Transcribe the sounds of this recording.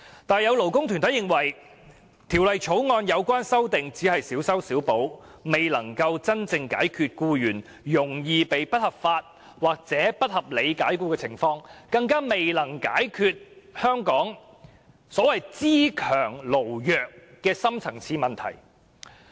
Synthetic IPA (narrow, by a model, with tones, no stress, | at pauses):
t̪aː˨njɐ˨˧wlo˨˩wkʊ˥ŋt̪ʰy˨nt̪ʰɐ˨˥jɪ˨ŋwɐ˨˩j | t̪ʰiː˨˩wlɐ˨jt͡ʃʰo˨˥wŋɔː˧njɐ˨˧wkʷaː˥nsɐ˥wt̪ɪ˨ŋt͡siː˨˥hɐ˨jsiː˨˥wsɐ˥wsiː˨˥wpo˨˥w | me˨jlɐ˨˩ŋkɐ˧wt͡sɐ˥nt͡sɪ˧ŋka̰ː˨˥jkʰyː˨˧t̚kuː˧jyː˨˩n | jʊ˨˩ŋjiː˧pe˨jpɐ˥t̚hɐ˨p̚faː˧t̚ | waː˨˩k̚t͡sɛː˨˥pɐ˥t̚hɐ˨p̚le˨˧jkaː˨˥jkuː˧kɛː˧t͡sʰɪ˨˩ŋfɔː˧ŋkɐ˧ŋkaː˥me˨jlɐ˨˩ŋkaː˨˥jkʰyː˧t̚hœː˥ŋkɔː˨˥ŋ | sɔː˨˥wɐ˨jt͡siː˥kʰœː˨˩ŋlo˨˩wjœː˨kː | ɛː˧sɐ˥mt͡sʰɐ˨˩ŋt͡sʰiː˧mɐ˨nt̪ʰɐ̰˨˩j